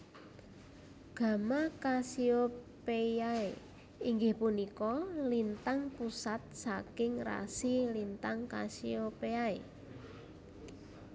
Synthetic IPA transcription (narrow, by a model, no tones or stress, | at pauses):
ɡ̥a̤makasio | pejae | iŋɡɪhpunikɔlint̪aŋpusat̪̚sakɪŋra̰silint̪aŋkasiopeaḛ